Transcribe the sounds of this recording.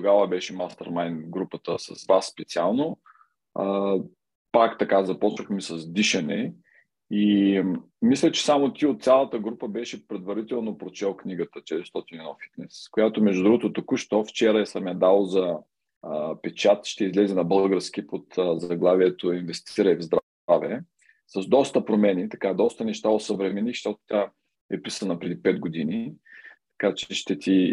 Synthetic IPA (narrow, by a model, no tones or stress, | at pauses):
t̪oɡavəbɛʃɛmast̪ɛ̰ɾmajnɡɾupət̪əsɐ̰svasːpɛt̪sialˠno | pakt̪ɐkazɐpɔt͡ʃɐxmisɐzd̪iʃɐnɛ̰ | i | mislʲət͡ʃɛ̥samot̪iot̪t̪sʲalˠət̪əɡɾupəbɛʃɛpɾɛd̪vɐɾit̪ɛlˠnopɾot͡ʃɛlˠkniɡət̪ət͡ʃɛt̪ɾist̪ɔt̪inɛnɔfi̥t̪nɛskojat̪omɛʒd̪uʊd̪ɾuɡot̪ot̪okuʃt̪oft͡ʃɛɾɐɛsɐmʲad̪alˠozɐ | pɛt͡ʃat̪ʃt̪ɛizlɛzɛnɐbɤlˠɡəɾsk̟ʲipot̪əzɐɡlˠaviɛt̪oinvɛst̪ʰiɾəɛvzd̪ɾ | avɛ | sɐzd̪ɔst̪əpɾomɛnit̪ɐkad̪ɔst̪ənɛʃt̪aosɐvɾɛmɛnixʃt̪ɔt̪o̥t̪ʲa | ɛpisənɐpɾɛd̪ipɛd̪ɡod̪init̪ɐ̥kat͡ʃɛʃt̪ɛt̪ʰi